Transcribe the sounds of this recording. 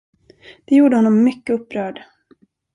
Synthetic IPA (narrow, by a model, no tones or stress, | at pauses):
d̪̥ɛjuːɖəhɔnːɔmːʏkːəɵpːɾœːɖ